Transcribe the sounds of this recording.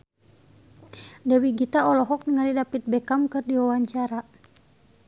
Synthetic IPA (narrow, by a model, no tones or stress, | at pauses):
dɛwiɡit̪aɔlɔɦɔk̚nŋalidapit̪̚bɛkamkɨrdiwawaɲt͡ʃaɾa